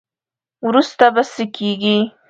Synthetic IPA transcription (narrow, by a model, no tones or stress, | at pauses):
wɾust̪abasəkʰeɡi